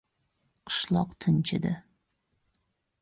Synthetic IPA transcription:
qʰɨ̥ʃlˠɒqt̪ʰɪnt͡ʃʰɪ̰d̪ɪ

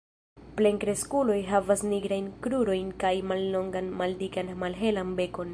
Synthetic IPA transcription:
ple̞ŋkɾe̞skulo̞jɦavasniɡɾajnkɾuɾo̞jnkajmalːo̞ŋɡanmaldikanmalɦe̞lanbe̞ko̞n

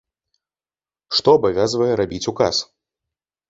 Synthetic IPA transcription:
ʂt̪ɔɐbavʲazvɐjɛɾabʲit͡sʲukas

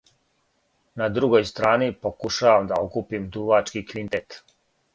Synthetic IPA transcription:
nad̪ɾuɡojst̪ɾaːnipokuʃaːʋamd̪aokupimd̪uʋat͡ʃkikʋint̪et̪

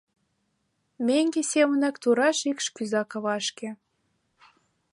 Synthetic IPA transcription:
mʲeŋɡesʲemə̆nɑkt̪uɾɑʃikʃkyzɑkɤ̆βɑʃkĕ

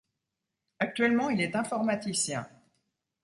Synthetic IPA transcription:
ak̚t̪ɥɛlmɑ̃ilɛt̪ɛ̃fɔʁmat̪isjɛ̃

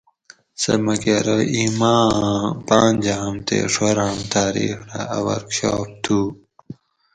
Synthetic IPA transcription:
sɐ̰mɐkeɾoʔimaːpaːnʲd͡ʑamt̪ḛʂoɾamt̪ʰaːɾḭxɾaɐwɐɾkɕo̰ːp̚t̪ʰu

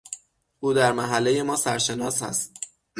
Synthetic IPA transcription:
ʔuːd̪æɾmæɦælːe̞je̞mɒːsæɾʃe̞nɒːshæ̰st̪̚

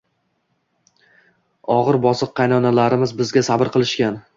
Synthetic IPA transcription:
ɒʁɨɾbɒsɨqʰːɑjnɒnalaɾɪmɪzbɪzɡʲasabɪɾqʰɨlˠɪʃkʲan

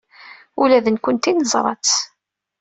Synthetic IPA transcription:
ulæðənkʊnt̪inəzˤɾˤɑ̰t͡s

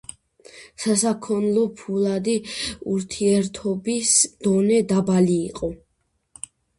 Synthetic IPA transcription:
sasakʰɔnlˠɔpʰulˠad̪iuɾt̪ʰiɛɾt̪ʰɔbisd̪̥ɔnɛd̪abaliːqʼɔ

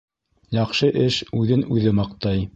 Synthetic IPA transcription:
jɑqʃɤʔɘʃʉðɘnʉðɘmɑqt̪ɑj

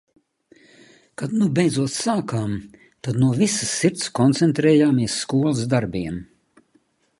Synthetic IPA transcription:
kad̪nubɛjd̪zuɔt̪saːkaːm | t̪ad̪nuɔvisɨsːiɾt̪skɔnt̪sɛnt̪ɾɛːjaːmiɛsːkuɔlˠɨsd̪aɾbʲiɛm

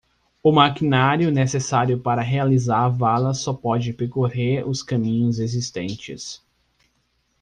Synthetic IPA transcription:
ʊmakinaɾjʊnesesaɾjʊpaɾɐɦealizaɾvalɐsɔpɔd͡ʒɪpeɾkoheɾʊskɐ̃mĩɲʊzezist̪ẽnt͡ʃɪ̰s

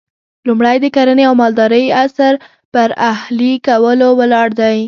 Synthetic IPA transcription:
lumɽajd̪əkaɾaneawmɑld̪ɑɾəjasaɾ | pəɾahlikawəlowəlɑɽd̪aj

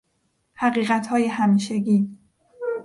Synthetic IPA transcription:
hæɣiːɣæt̪ʰhɒːjehæmiːʃeɡiː

